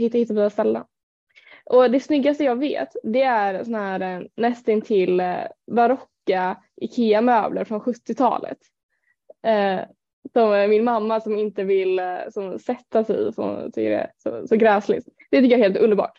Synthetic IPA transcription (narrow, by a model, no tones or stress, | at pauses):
hɪt̪ːahɪt̪ːaviːast̪ɛlːə̰n | ʔɔd̪ɛsnʏɡːast̪əjɑːɡvḛːt̪d̪ɛæɾsɔnahæːɾnɛst̪ɪnt̪ʰɪlbaɾɔkːa | ʔɪkʰeːamøːbləɾfɾɔnɧɵt̪ːɪt̪ʰɑ̰ːlə̰t̪ | sɔmmɪnmamːasɔmɪnt̪əvɪlsɔmsɛt̪ːasɛ̰fəhʊ̰nt̪ʰʏkːəɾɛ̰sɔ̰sɔɡɾɛːslɪ̰t̪d̪ɛt̪ʏkːəjæɾheːlt̪ɵnd̪əɾbɑ̰ːʈ